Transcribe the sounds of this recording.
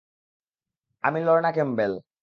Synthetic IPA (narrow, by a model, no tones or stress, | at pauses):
a̰milɔɾnakembel